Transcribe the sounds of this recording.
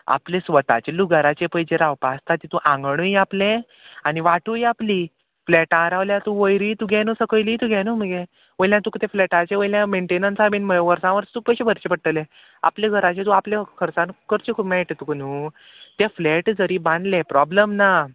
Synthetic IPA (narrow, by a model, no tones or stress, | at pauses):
a̰plẽsʋət̪a̰t͡ɕeluɡaɾat͡ɕepəjd͡ʑeɾawpast̪ʰat̪it̪ũʔãŋɡɳujaplẽ | aniʋaʈujapli | flɛʈãɾaʋljat̪ũʋəjɾit̪uɡʱɛnusəkəjliːt̪uɡʱɛnuməɡe | ʋəjljãt̪ukt̪eflɛʈat͡ɕeʋəjljãmeɳʈenənsabinməjʋəɾsãʋəɾt̪uːk̚pəjɕebʱəɾt͡ɕepəɽ̚ʈəle | a̰pljeɡʱəɾat͡ɕet̪ũapljãkʰəɾt͡sãnkəɾt͡ɕikʰumeʈt̪uknu | t̪jafleʈd͡zəɾiːbãnd̪lẽpɾɔbləmna